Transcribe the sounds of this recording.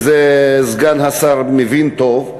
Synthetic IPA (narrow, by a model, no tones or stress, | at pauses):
zɛzɡanɦasaɾmevint̪ov